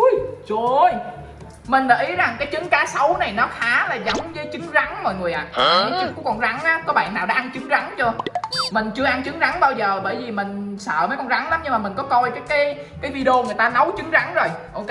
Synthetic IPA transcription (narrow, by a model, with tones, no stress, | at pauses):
jt͡ɕo˧j | mï˨˩ŋ̟laː˨˩ʔi˨˦za˨˩ŋkaː˨˦jt͡ɕɨ˨˦ŋkaː˨˦sə˨˦wna˨˩jnɔ˨˦xaː˨˦laː˨˩zɔ˨˦wŋ͡mzəː˨˦jt͡ɕɨ˨˦ŋza˨˦ŋmɔ̰˧˨jŋɨ˨˩əʔa̰ː˨˩˨ɔ˨˦t͡ɕɨ˨˦ŋkṵ˧˥kɔ˧˩nza˨˦ŋʔaː˨˦kɔ˨˦ɓa̰ː˧˨naː˨˩wɗaː˧˦ʔa˧nt͡ɕɨ˨˦ŋza˨˦ŋt͡ɕu˧əmï˨˩ŋ̟t͡ɕɨ˧əʔa˧nt͡ɕɨ˨˦ŋza˨˦ŋɓaː˧wzəː˨˩ɓəː˧˩jvi˨˩mï˨˩ŋ̟sə̰ː˧˨məː˨˦jkɔ˧nza˨˦ŋla˨˦mɲɨ˧ŋmaː˨˩mï˨˩ŋ̟kɔ˨˦kɔ˧jt͡ɕɔ˨˦kaː˨˦j | kaː˨˦jvi˧ɗo˧ŋɨ˨˩əjt̪aː˧nə˨˦wt͡ɕɨ˨˦ŋza˨˦ŋzo˨˩jʔo˧w